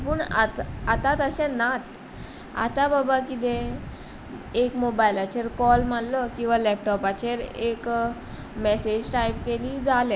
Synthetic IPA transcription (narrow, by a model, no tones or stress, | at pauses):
puːɳa̰t̪at̪at̪əɕɛ̃nat̪ | a̰t̪ababakit̪̬ẽ | ekmobajlat͡ɕeɾkɔlmalːəkĩw̃ʋalɛp̚ʈɔpat͡ɕeɾek | mɛsed͡ʑʈajpkeliːd͡zale